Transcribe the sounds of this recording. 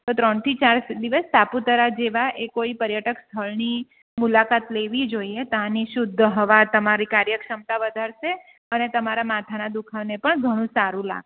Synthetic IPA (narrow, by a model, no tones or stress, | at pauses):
t̪ot̪ɾəɳt̪ʰit͡ʃaɾd̪iʋəst̪aput̪əɾad͡ʒeʋaʔekoipəɾjaʈəkst̪ʰəɭni | mulakat̪leʋid͡ʒoiet̪ãniʃʊd̪ʱːɦəʋat̪əmaɾikaɾjəkʃəmt̪aʋəd̪ʱaɾʃe | ənet̪əmaɾamat̪ʰanad̪ukʰaʋnepəɳɡʱəɽ̃ũsaɾũla̰ɡʃ